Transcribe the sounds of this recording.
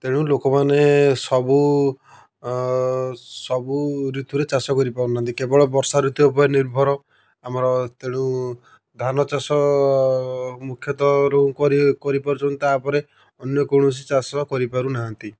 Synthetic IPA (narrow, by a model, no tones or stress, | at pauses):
t̪eɽ̃ũlokɔmanesɔbu | sɔbuɾit̪uɾet͡ʃasɔkɔɾipaɾunaɦant̪ikebɔɭɔbɔɾsaɾit̪uɔpɔjniɾbʱɔɾɔ | amɔɾɔt̪eɽ̃ũ | d̪ʱanɔt͡ʃasɔ | mukʰjɔt̪ɔɾõkɔɾikɔɾipaɾut͡ʃʰɔnt̪iapɔɾe | ɔnjɔkoɽ̃us̬it͡ʃasɔkɔɾipaɾunaɦant̪i